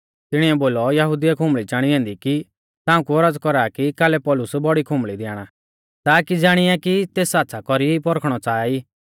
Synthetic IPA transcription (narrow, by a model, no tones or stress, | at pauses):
t̪ɪɽ̃iɛboːlɔjɐɦʊd̪ijakʰʊ̃mbɭit͡ʃaːɽ̃iɛ̃ːnd̪iki | t̪ãːũkuɔɾəd͡zkɔɾaːkikaːlɛpɔːlʊsbɔɽikʰʊ̃mɭid̪ɛaːɽ̃a | t̪aːkid͡zaːɽ̃ɪjakit̪eːsaːt̪ːsʰakɔɾipɔɾəkʰɽ̃ɔt͡saːiː